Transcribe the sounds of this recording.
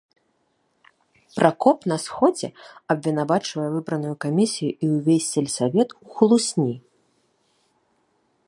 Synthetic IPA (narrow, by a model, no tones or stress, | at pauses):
pɾʔakɔpnɐsxɔd͡zʲɛɐbʲvʲinavat͡ʂvɐjɛvɨbɾɐnujukamʲisʲijuʔiuwvʲesʲt͡sʲɛlʲsʲavʲɛt̪uxlˠusʲnʲi